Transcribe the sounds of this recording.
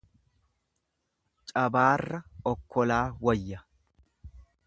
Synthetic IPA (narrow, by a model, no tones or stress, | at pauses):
t͡ʃʼɐbaːrːɐɔkʰːɔlaːwɐjːɐ